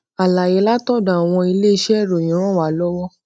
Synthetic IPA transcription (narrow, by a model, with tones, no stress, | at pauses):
a˨la˨jɛ˨˧˦la˦tɔ˦˨da˨w̃ɔ̃˧i˧le˦i˧ʃɛ˦˨ɾõ˨ĩ˨ɾ̃ɔ̃˦˨wa˨˦lɔ˦wɔ˦